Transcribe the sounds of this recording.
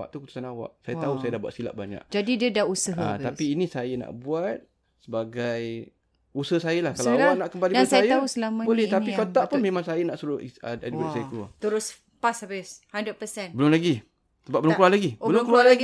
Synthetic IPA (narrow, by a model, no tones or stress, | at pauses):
wa̰ʔt̪ukut̪u̥sanawa̰ʔsajat̪ausajədahbuat̪̚sila̰ʔbaɲa̰ʔ̚d͡ʒadidiədausəɦt̪apiːnisajəna̰ʔbuat̪̚ | səbaɡaj | usəhsajəlahkalaawaʔnaʔkəmbalidasajajaausəlamãbolɛt̪aikat̪aʔpʊnmemaŋsajanaʔsuɾʊhəadiit̪isajəkəlua̰t̪əɾʊs | pasabɪshandɾəd̚pəsɛnbəlʊmlaɡi | səbap̚bəlʊmkuahlaɡibəlʊmkualaɡi